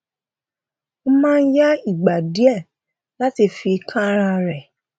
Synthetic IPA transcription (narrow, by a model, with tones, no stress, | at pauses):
o˧˦mãː˦˧n̩˦ja˦i˦˨ɡ͡ba˨di˨˦ɛ˦˨ | la˦ti˧fi˧kʰã˦ɾ̃ã˧ɾɛ˨